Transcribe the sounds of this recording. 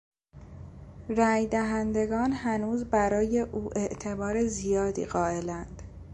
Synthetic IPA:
ɾæːjd̪æɦænd̪e̞ɡɒːnhænuːzbæɾɒːje̞ʔuːʔe̞ʔt̪ʰe̞bɒːɾe̞zijɒːd̪ḭːɣɒːe̞lænd̪̥

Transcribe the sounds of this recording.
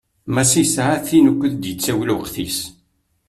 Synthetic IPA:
mæsisʕaθinəkʷːəðd̪jət͡sːæwlwəqθḭs

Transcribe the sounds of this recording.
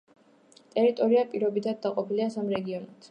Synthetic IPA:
t̪ʼɛɾit̪ʼɔɾiapʼiɾɔbit̪ʰad̪̚d̪aqʼɔpiliasamɾɛɡiɔnat̪ʰ

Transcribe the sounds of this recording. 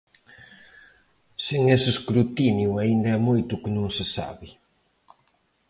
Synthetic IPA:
seŋeseskɾut̪injuaind̪ɐɛmojt̪ʊkɪnũŋsɪsa̰βɪ

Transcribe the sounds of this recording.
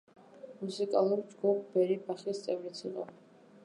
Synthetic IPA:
musikʼalˠuɾt͡ʃʼɡɔpʼbɛɾibaχist̪t͡s̪ʼɛvɾit͡sʰḭqʼa̰

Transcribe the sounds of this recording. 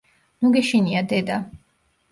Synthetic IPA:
mɔɡɛʃiniad̪ɛd̪a

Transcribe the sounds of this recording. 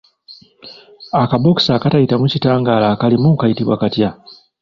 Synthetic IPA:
akaboksaːkatajitamucitaːŋɡaːlakalimukajitiβwakatja

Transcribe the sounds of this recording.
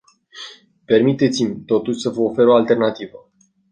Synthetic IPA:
pe̞rmit̪e̞t̪simʲt̪o̞t̪uʃʲsəvəofe̞ɾo̞alt̪e̞rnat̪ivə

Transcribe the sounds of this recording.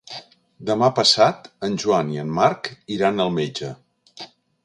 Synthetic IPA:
d̪əmapəsat̪ənʲʒuaniənːaɾkiɾanəlˠmed͡ʒə

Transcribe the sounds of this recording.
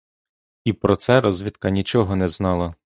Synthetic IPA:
ipɾɔt̪sɛɾɔzʲʋʲit̪kɐnʲit͡ʃɔɦɔnɛznɑlˠɐ

